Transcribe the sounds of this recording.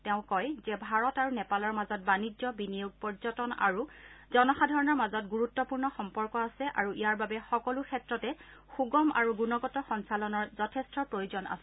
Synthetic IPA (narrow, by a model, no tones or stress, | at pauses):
tɛʊ̃kɔjzɛbʱaɹɔtaɹunɛpalɔɹmazɔt̚banid͡ʒɔbinijuɡ̚pɔɹzɔtɔna̰ɹuzɔnɔxadʱɔɹɔnɔɹmazɔtɡuɹutːɔpuɹnɔxɔmpɔɹkɔasɛʔa̰ɹuʔijaɹbabɛxɔkɔlukʰɛtɹɔtɛ | xuɡɔma̰ɹuɡunɔɡɔtɔxɔnsalɔnɔɹzɔtʰɛstʰɔpɹojuzɔnʔa̰sɛ